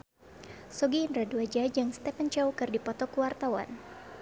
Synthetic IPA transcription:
soɡiːnraduad͡ʒad͡ʒaŋst̪ɛpənt͡ʃawkɨrdipɔt̪ɔkuwart̪awa̰n

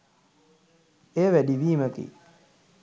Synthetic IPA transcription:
eːʋædiʋiːməkḭ

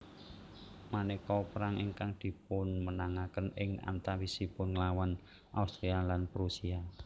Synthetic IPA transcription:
manekɔpəɾaŋiŋkaŋd̪̥i̤p̚ʊnmənaŋakənɪŋa̰nt̪awisipʊnŋəlawan | ʔa̰ust̪ɾealanpɾusia

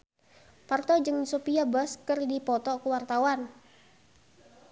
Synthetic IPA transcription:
part̪ɔd͡ʒɨŋsopiabaskɨrdipɔt̪ɔkəwart̪awan

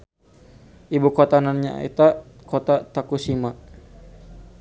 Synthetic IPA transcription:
ʔibukɔt̪ananɲa̰ḭt̪a | kot̪at̪akusima

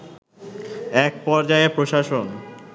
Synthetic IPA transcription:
ɛk̚pɔɾd͡ʑaepɾoʃaʃon

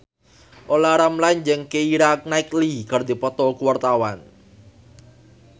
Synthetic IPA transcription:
ʔolaɾamlajɲd͡ʒəŋkeiɾak̚naiklikərd̪ipɔt̪ɔkuwart̪awan

